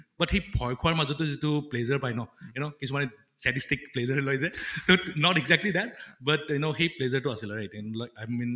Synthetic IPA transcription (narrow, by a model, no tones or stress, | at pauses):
bathejbʱɔjkʰʊaɹmazɔtːɔzituplezəɹpajnɔjunokisumanɛ | stɛtistikplezəɹlojzɛtonɔtɛɡzɛk̚tlid̪ɛt̚batjunoxejplezəɹtʊasilɹajtanlajmin